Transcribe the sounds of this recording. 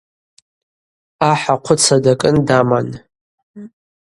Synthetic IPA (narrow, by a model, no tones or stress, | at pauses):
aħaqʷʰʊt͡sʰadakʼɨndaman